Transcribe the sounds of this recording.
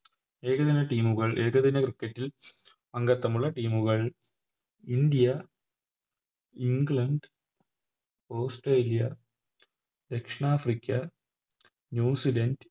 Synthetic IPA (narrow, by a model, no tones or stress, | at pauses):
e̞ːɣɐðinɐʈiːmuɣɐɭʔeːɣɐðinɐkrikːɐtːil | pɐŋɡɐt̪ːɐmuɭːɐʈiːmuɣɐɭ | ind̪ijɐ | iŋɡɭɐɳɖ | oːsʈreːlijɐ | d̪ekʂɳaːfrikʲːɐ | njuːsilɐnd